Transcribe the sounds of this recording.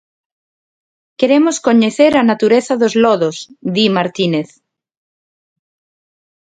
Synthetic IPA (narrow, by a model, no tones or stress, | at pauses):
keɾemoskoɲeθeɾanat̪uɾeθaðozlɔðosd̪imaɾt̪ineθ